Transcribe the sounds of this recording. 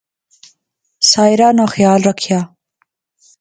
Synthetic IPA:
sɑːjɾɑːnaxjɑːlɾakʰjɑː

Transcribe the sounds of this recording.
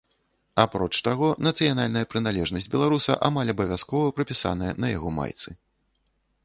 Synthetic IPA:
apɾɔt͡ʂt̪aɣɔnɐt̪sɨjanalʲnɐjɐpɾɨnalʲɛʐnɐsʲd͡zʲbʲɛlˠaɾusɐ̰ʔamalʲɐbɐvʲaskɔvɐpɾɐpʲisa̰nɐjɐnɐja̰ɣɔma̰jt̪sɨ

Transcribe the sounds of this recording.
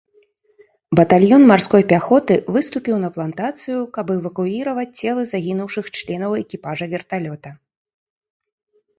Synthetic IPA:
bɐt̪alʲjɔnmarskɔjpʲaxɔt̪ɨvɨst̪upʲiwnɐplˠant̪at̪sɨjukɐbɛvɐkuiɾɐvɐt͡sʲt͡sʲɛlˠɨzaɣʲinuwʂɨxt͡ʂlʲɛnɐwɛkʲipaʐɐvʲɛrt̪alʲɔt̪ɐ

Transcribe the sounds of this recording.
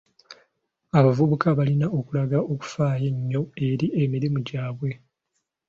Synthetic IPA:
aβavuβukaβalinaʔo̞kulaɡaʔo̞ku̥faːje̞ɲːo̞e̞ɾiʔe̞miɾimuɟaːβwe̞

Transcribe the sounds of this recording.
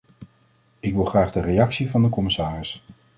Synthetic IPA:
ɪkʋɪlˠχraːχdərejɑksivɑndəkɔmɪsaːrɪs

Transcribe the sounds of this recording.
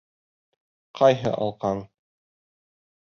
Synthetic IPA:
qʰɑjɦɤ̰ʔɑ̰lˠqɑɴ

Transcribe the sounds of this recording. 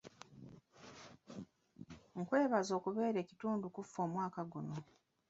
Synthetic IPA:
ŋ̩kwe̞ːβazo̞ːkuβe̞ːɾe̞ːci̥tuːndukufːo̞ːmwaːkaɡuno̞

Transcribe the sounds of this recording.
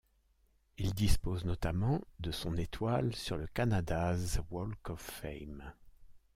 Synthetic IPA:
ild̪ispoznɔt̪amɑ̃d̪əsɔ̃net̪walsyʁləkanad̪azwɔlkɔfɛ̰jm

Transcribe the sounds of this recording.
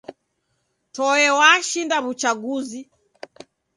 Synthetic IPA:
tɔɛwaʃindaβut͡ʃaɡuzi

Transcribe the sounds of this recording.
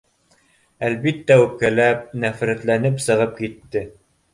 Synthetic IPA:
ælbit̪ːæʉp̚kælæp̚næfɾæt̪lænɘpsɤ̆ʁɤp̚kit̪ːɘ

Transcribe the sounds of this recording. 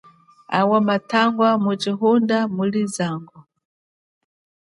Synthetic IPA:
a̰wamatʰaŋɡwamut͡ʃiɦundamulizaːŋɡɔ

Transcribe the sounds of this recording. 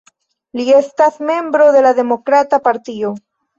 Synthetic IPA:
liest̪aθme̞mbɾo̞ðe̞laðe̞mo̞kɾat̪apaɾt̪io

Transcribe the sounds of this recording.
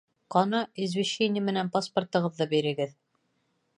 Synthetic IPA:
qɒnɑizvʲiɕːenʲɪɘmɘ̆nænpaspə̆rt̪ɤ̆ʁɤ̆ðːɤbiɾɘ̆ɡɘð

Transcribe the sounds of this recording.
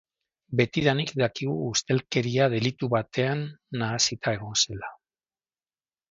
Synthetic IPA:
be̞t̪iðanikd̪akiɣ̞uːst̪e̞lke̞ɾiaðe̞lit̪uβat̪e̞anːaːsit̪ʰae̞ɣo̞se̞la

